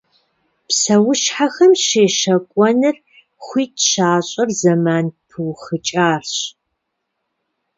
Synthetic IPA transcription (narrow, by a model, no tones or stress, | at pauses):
psɐwʊʃħaxɐmʃeːʃɐkʷʼɔnɨr | χʷiːtɕaːɕʼɐrzɐmaːnpʰɨwxɨt͡ʃʼaːrɕ